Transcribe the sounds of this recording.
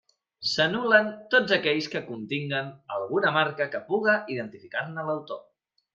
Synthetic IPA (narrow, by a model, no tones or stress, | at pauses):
sənulənt̪od͡zəkɛʎskəkunt̪iŋɡənəlˠɣunəmaɾkəkəpuɣəʔiðənt̪ifikarnələwt̪o